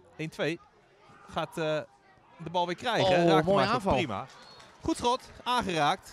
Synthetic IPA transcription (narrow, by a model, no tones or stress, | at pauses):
ejntʰʋej | χaːt | dəbɑlˠʋɪːkrɛjχədaːmoːjaaːfɔlˠrima̰χutsrotaːnχəraːk̚t